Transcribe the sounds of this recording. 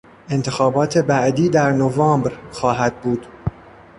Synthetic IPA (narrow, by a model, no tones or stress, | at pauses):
ʔe̞nt̪ʰe̞xɒːbɒːt̪ʰe̞bæʔd̪iːd̪æɾnovɑːmbɾxɒːɦæd̪̚buːd̪̥